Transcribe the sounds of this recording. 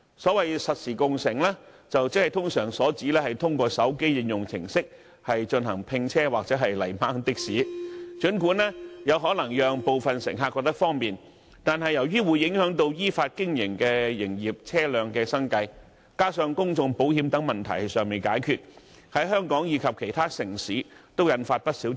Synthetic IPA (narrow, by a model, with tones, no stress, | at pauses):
sɔː˨˥wɐ˨jsɐ˨t̚siː˨˩kʊ˨ŋsɪ˨˩ŋlɛː˥ | t͡sɐ˨wt͡sɪ˥k̚hɐ˨jt̪ʰʊ˥ŋsœː˨˩ŋsɔː˨˥t͡siː˨˥lɛː˥hɐ˨jt̪ʰʊ˥ŋkʷɔː˧sɐ˨˥wke˥jjɪ˨˧ŋjʊ˨ŋt͡sʰɪ̰˨˩ŋsɪ˥k̚ | hɐ˨jt͡ʃɵ˧nɦɐ˨˩ŋpʰɪ˧ŋt͡sʰɛː˥waː˨k̚t͡sɛː˨˥ɦɐ˨jlɐ˨˩jmaː˨˥ŋt̪ɪ˥k̚siː˨˥t͡ʃɵ˨˥nkuː˨˥nlɛː˥jɐ˨˧wɦɔː˨˥lɐ˨˩ŋjœː˨˧ŋpo˨wfɐ˨nsɪ̰˨˩ŋɦaː˧kːɔ˧k̚t̪ɐ˥kfɔː˥ŋpiː˨n | t̪aː˨nɦɐ˨jɐ˨˩wjyː˥wuː˨˧jːɪ˨˥ŋhœː˨˥ŋt̪̬o˧wjiː˥faː˧t̚kɪ˥ŋjɪ˨˩ŋkɛː˧jɪ˨˩ŋjiː˨p̚t͡sʰɛː˥lœː˨˧ŋkɛː˧sɐ˥ŋkɐ˧j | kaː˥sœː˧ŋkʊ˥ŋt͡sʊ˧ŋpo˨˥whiː˨˧˥mt̪ɐ˨˥ŋmɐ˨nt̪ʰɐ̰˨˩jsœː˨ŋme˨˩jkaː˨˥jkʰyː˨t̚ | hɐ˨˥jɦœː˥ŋkɔː˨˥ŋjiː˨˧kʰɐ˨p̚kʰe˨˩jt̪ʰaː˥sɪ˨˩ŋsiː˨˥t̪o˥wjɐ˨˧˥nfaː˧t̚pɐ˥t̚siː˨˥